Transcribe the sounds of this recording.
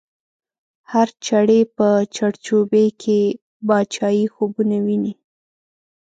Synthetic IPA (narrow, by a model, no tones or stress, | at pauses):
haɾt͡ʃaɽepət͡ʃaɽt͡ʃubekʰe | bɑt͡ʃɑjixobunawini